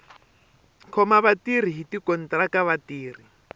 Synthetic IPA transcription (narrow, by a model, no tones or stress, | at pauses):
kʰɔmaβatir̤iɦitikɔn̩trakaβatiːr̤i